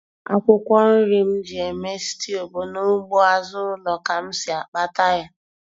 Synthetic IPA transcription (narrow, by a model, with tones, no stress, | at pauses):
a̰˦kʷʊ˦kʷɔ˦n̩˦ɾi˦m̩˦d͡ʒi˨e˨me˦si̥˦ti˦o˨bo˨no˦m̩˦ɡ͡bo˦a˦zʊ˦lɔ˨ka˨m̩˦sɪ˨a˨k͡pa˦ta˦ja˦